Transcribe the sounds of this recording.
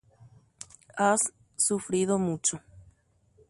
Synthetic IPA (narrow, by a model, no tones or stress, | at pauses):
asː | ufɾiðomut͡ʃo